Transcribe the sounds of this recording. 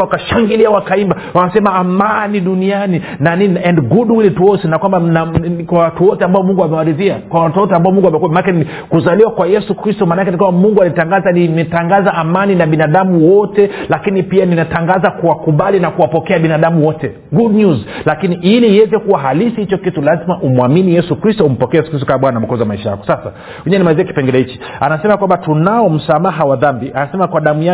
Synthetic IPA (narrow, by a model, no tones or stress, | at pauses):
wakaʃaŋɡiliawakaimba | wamasɛmaːmaniɗuniani | naniɛndɡuɗwilituɔsinakwambanakwawatuwɔtɛambaɔmuŋɡuamɛwaɾiðiakwawatɔtɔambaɔmuŋɡwamɛkuamanakɛni | kuzaliwakwajɛsukɾistɔmaːnakɛnikwambamuŋɡualitaŋɡazanimɛtaŋɡazaʔamaninaɓinaɗamuwɔtɛlakinipianinataŋɡazakuwakuɓalinakuwapɔkɛaɓinaɗamuwɔtɛ | ɡudɲuzlakiniiliːwɛzɛkuwaɦalisihit͡ʃɔkitulazimaʔumwaminijɛsukɾistɔum̩pɔkɛjɛsu̥kɾist̬ɔkaɓwanam̩kɔzaamaiʃaja̰kɔ̥sasa̰ | ɛɲanimaziaki̥pɛŋɡɛlɛhit͡ʃi̥ | anasɛmakwambatunaɔm̩samaɦawaðambiʔanasɛmakwaɗamuja